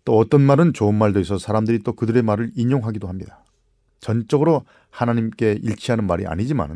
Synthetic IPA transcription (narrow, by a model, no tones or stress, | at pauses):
t͈oʌt͈ʌnmaɾɯnt͡ɕoɯnmaɭdoisʰʌsʰaɾamdɯɾit͈okɯdɯɾe̞maɾɯɾiɲoŋɦaɡidoɦamɲidḁ | t͡ɕʌnt͡ɕ͈ʌɡɯɾo | hanaɲimk͈e̞iɭt͡ɕʰiɦanɯnmaɾḭa̰ɲid͡ʑima̰nɯ